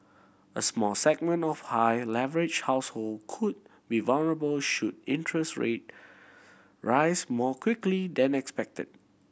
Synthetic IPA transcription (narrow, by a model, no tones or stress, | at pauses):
ə̰smɔlsɛɡ̚mə̃ntɔfhajlɛvəɹɪd͡ʒhaʊshold̚kʰʊd̚ | bivalnəɹəbəlʃudɪ̃ntʰɹəstɹḛt̚ | ɹaɪsmɔkwɪklidɛ̃nɛkspɛk̚tʰə̰d̥̚